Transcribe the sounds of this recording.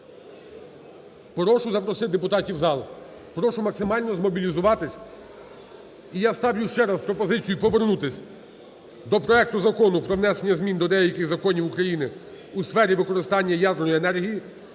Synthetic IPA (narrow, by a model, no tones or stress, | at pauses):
pɾɔʃʊzɐpɾɔsɪd̪epʊt̪ɑtʲiwzɑlˠ | pɾɔʃʊmɐksɪmɑlʲnɔzmɔbʲilʲizʊʋɑt̪ɪsʲ | ijast̪ɑwjʊʃt͡ʃɛɾɑspɾɔpɔzɪt͡sʲijʊpɔʋernut̪ɪsʲ | d̪ɔpɾɔɛk̚t̪ʊzɐkɔnʊpɾɔʋn̪ɛsenʲːɐzmʲind̪ɔd̪ɛjɐkɪɣzɐkɔnʲiwukɾɐjinɪ | usfɛɾʲiʋɪkɔɾɪst̪ɑnʲːɐjɑd̪rnɔjenɛrɦʲiji